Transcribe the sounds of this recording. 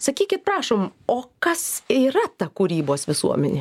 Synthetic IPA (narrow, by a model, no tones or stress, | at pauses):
sɐkʲiːkʲɪt̪̚pɾɑːʃoːmoːkɐsiːɾɐt̪ɐkuːɾʲiːboːsʋʲɪsṵɔmʲɛnʲe